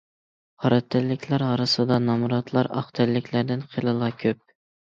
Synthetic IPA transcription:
hɑɾɛt̪ʰːɛlːɪkʲʰlæɾɑɾɨsɨd̪ɑnɑmɾɑt̪ʰlˠɑɾɑ̰χt̪ʰælːɪkʲʰlæɾd̪ɪnqʰelˠɨlˠɑkʲʰøp̚

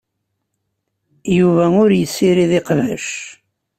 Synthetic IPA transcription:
juvæʊɾjəsːiɾiðɪqvæʃ

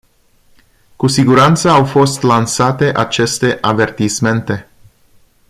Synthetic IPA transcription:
kusiɡuɾant̪səawfo̞st̪lansat̪e̞ʔat͡ʃe̞st̪e̞ʔave̞rt̪isme̞nt̪e̞

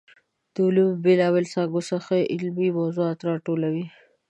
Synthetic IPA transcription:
d̪̥əʊlumbɪlɑbelsaɡʊsaxeʔɪlmimowzuat̪ɾɑʈolawi

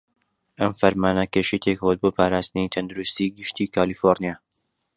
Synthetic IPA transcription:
ʔɐmfɐɾmaːnɐkeːʃejt̪ʰekhot̪̚boːpʰaːɾaːst̪ɨnit̪ʰɐnd̪uɾust̪iːɡɨʃt̪iːkʰaːlifoɾnijaː

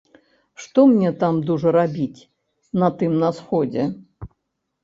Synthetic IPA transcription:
ʂt̪ɔmnʲɛt̪amd̪uʐɐɾabʲit͡sʲ | nɐt̪ɨmnɐsxɔd͡zʲɛ

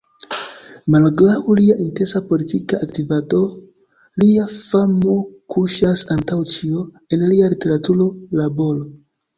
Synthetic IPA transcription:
malɡlawliaʔinte̞nsapo̞litikaʔːktivato̞ | liafamo̞kʰuʃasantawt͡ʃio | e̞nlialite̞ɾatuɾo̞labo̞lo

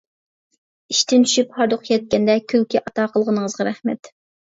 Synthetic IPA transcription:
iʃt̪ʰɪnt͡ʃ̪ʰy̥ʃyphɑɾd̪ʊχqjɛt̪̚kʲɛnd̪ɛkʲʰølkʲiʔɑt̪ɑːqʰəlˠʁənəŋəzʁɑɾɛhmɛ̰t̪

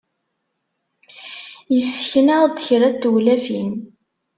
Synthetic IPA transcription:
jəsːəçnæʁd̪çɾæt̪ːuwlæfin

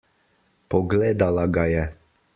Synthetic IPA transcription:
pɔɡleːd̪alaɡajɛ

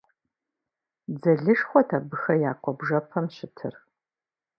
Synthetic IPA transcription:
d͡zɐɮɨʂχʷɔtʰaːbɨxɐjaːqʷʼɔbʐɐpʰɐmɕɪtʰɨ̰r

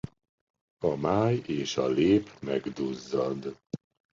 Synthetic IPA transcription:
ɒmaːjeːʃɒleːpmɛɡd̪uzːɒd̪

